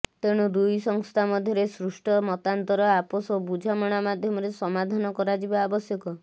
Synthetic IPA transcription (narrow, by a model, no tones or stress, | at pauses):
t̪eɽ̃ud̪ujsɔŋst̪ʰamɔd̪ʱjɔɾesɾusʈɔmɔt̪ant̪ɔɾɔapɔsobud͡ʒʱamɔɽ̃amad̪ʱjɔmɔɾesɔmad̪ʱanɔkɔɾad͡ʒibaːbɔsjɔkɔ